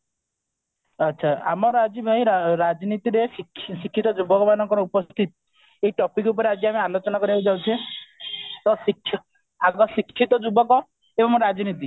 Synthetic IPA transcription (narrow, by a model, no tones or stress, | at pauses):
ətːʃʰaa̰mɔɾɔad͡ʒibʱaɦĩɾɾad͡ʒinit̪iɾesikʰsikʰːit̪ɔd͡ʒubɔkɔmanɔŋkɔɾɔupɔst̪ʰit̪ɔ̥ | eiʈɔpikup̬ɔɾead͡ʒiamealot͡ʃɔnakɔɾiewd͡ʒawt͡ʃʰẽ | t̪ɔsikʰːjɔ | aɡɔsikʰːit̪ɔd͡ʒubɔkɔ | ebɔmɾad͡ʒinit̪i